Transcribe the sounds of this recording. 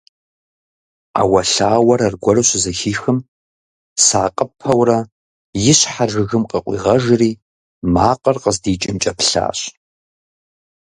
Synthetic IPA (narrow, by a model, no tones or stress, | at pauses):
a̰wɐɬaːwɐɾɐrɡʷɔrɨɕʷzɐxiːxɨm | saːqʼəpʰɐwrɐ | jɪɕħaʒɨɣɨmqʼɐqʷʼḭːʁɐʒɨriː | maːqʼərqʼəzdiːt͡ʃʼɪmt͡ʃʼɐpɬa̰ːɕ